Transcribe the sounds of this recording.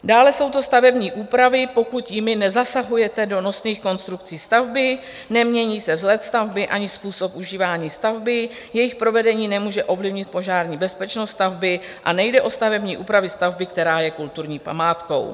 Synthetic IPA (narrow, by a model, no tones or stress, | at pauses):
daːlɛso̞wt̪o̞st̪avɛbɲiːʔuːpɾavɪpo̞kut̪jɪmɪnɛzasaɦujɛt̪ɛdo̞no̞sniːxko̞nst̪ɾukt͡siːst̪avbɪ | nɛmɲɛɲiːsɛvzlɛt̪st̪avbɪʔaɲɪspuːso̞pʔuʒiːvaːɲiːst̪avbɪ | jɛjɪxpɾo̞vɛdɛɲiːnɛmuːʒɛʔo̞vlɪvɲɪt̪̚po̞ʒaːɾɲiːbɛspɛt͡ʃnost̪st̪avbɪʔanɛjdɛʔo̞st̪avɛbɲiːʔuːpɾavɪst̪avbɪkt̪ɛɾaːjɛkult̪uɾɲiːpa̰maːt̪ko̞̰w